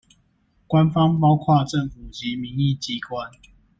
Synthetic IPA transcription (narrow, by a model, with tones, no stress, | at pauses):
kwa˦nfɑ˦˥ŋpɑ˦˥ʊkʰwa˥˨ʈ͡ʂə˥˨ŋfu˨˩t͡ɕi˨˦mi˨˦ŋi˥˨t͡ɕi˦kwa˦n